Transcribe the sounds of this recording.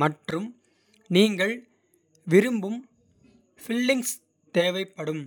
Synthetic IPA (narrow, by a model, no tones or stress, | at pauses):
mɐʈrɯm | niːŋɡɐɭ | ʋɪɾɯmbɯm | fɪlːɪŋs | t̪eːʋɐɪpːɐɽɯm